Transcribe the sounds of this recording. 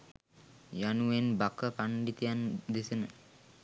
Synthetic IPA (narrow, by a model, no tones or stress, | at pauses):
januenbakəpaɳɖit̪ijand̪isənə